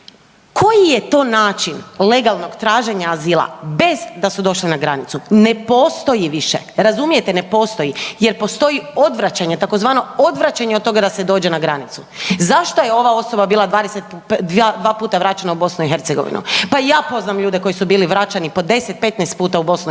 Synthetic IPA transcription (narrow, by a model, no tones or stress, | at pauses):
kʰo̞jije̞t̪o̞ːnaːt͡ʃinle̞ɡalˠno̞ɡt̪ɾaːʒeɲaːziːlˠa̰be̞zd̪asud̪o̞ʃlinaɡɾanit̪sune̞po̞st̪o̞jiʋiʃḛɾazumije̞t̪ene̞po̞ːst̪o̞jije̞ɾpo̞st̪o̞jio̞d̪ʋɾat͡ɕaɲe̞t̪ako̞zʋaːno̞o̞d̪ʋɾat͡ɕaɲeod̪t̪o̞ɡad̪ased̪o̞ːd͡ʑe̞naɡɾanit̪su | zaʃt̪o̞jeo̞ʋao̞so̞babiːlˠad̪ʋaːd̪eset̪̚ | ad̪ʋaːpuːt̪aʋɾat͡ɕanaubo̞snuixe̞ɾt̪eɡo̞ʋḭnṵpajaːpo̞znamʎuːd̪e̞ko̞jisubiːliʋɾat͡ɕanipo̞d̪e̞set̪̚pe̞t̪nɛst̪̚puːt̪aubo̞snu